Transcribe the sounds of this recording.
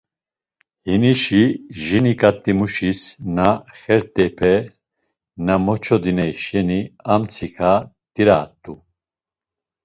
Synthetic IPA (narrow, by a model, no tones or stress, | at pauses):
hiniʃiʒinikʼat̪ʼːimuʃisnaχɛɾt̪ʼɛpʰɛ | namɔt͡ʃʰɔd̪inɛiʃɛniamt͡sʰikʰa | d̪ʼiɾat̪ʼːu